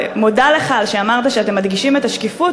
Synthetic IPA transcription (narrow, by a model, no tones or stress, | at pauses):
modaleχalʃeamaʁt̪aʃeat̪e̞mːad̪ɡiʃimet̪aʃkefu